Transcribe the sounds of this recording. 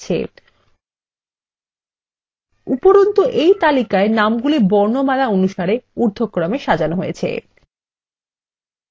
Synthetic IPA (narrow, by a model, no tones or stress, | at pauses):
t͡ɕʰḛ | upoɾont̪oʔejt̪alikaenamɡulibɔɾnomalaonuʃaɾeuɾd̪ʱokːɾameʃad͡ʑanoɦojḛt͡ɕʰḛ